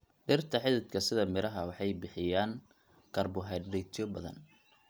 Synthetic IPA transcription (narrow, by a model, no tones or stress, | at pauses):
ɖɪrt̪ʰɐħɪðɪd̪kʰɐsɪðɐmɪɾɐɦɐwɑħɑjbɪħɪjaːŋ | kʰɐrbʊɦɛɖɛjt̪ʰɔbɐðɐ̰n